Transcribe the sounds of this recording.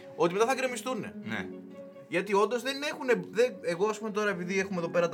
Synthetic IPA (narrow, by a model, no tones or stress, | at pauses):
o̞t̪ime̞t̪aθɐkɾemist̪une̞̰nḛ | ʝɐt̪io̞nd̪o̞zðe̞ne̞xune̞ðeeɣo̞ɐspumet̪o̞ɾɐe̞piðiexumeðo̞pe̞ɾɐt̪